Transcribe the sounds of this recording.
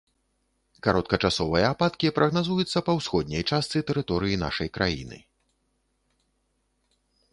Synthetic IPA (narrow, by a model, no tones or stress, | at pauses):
kaɾɔt̪̚kɐt͡ʂasɔvɐjɐːpat̪kʲipɾʔɐɣnazujut̪sːɐpɐwsxɔd̪̚ʲnʲɐjt͡ʂast̪sɨt̪ɛɾɨt̪ɔɾɨjina̰ʂɐjkɾʔajḭnɨ̰